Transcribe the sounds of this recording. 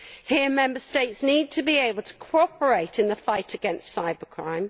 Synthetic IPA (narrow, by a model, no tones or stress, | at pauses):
hɪəmɛ̃mbəsteɪtsniːd̚tʰəbieɪbəlˠtʰə̥kʰɔɔˑpʰəɹeɪtʰɪ̃nðəfaɪtʰəɡɛ̃nstsaɪbəkʰɹ̥ã̰ɪ̃m